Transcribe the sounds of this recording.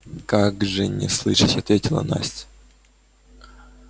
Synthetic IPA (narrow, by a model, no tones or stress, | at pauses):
kaɡʐɨnʲɪ̰slˠɨʂɨtʲɐt̪vʲetʲɪlˠə̰na̰sʲ